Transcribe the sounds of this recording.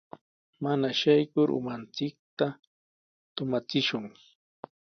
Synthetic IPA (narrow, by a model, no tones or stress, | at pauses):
manaʃajkʊɾʔʊ̰mant͡sɪk̚t̪a | t̪ʊmat͡sɪʃʊŋ